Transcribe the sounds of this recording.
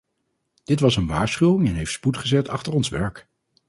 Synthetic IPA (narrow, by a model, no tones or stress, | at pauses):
d̥ɪtʋɑsənʋa̰ːɹsχywɪŋɛnɦejftsputχəzɛtʰɑχtəɹɔnsʋɛɹk